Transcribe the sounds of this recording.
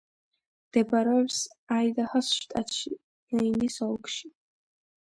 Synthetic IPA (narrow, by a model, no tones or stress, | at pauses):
md̪̥ɛbaɾɛɔpsaid̪ahasʃt̪ʼat̪ʃi | ɛinisɔlˠkʃi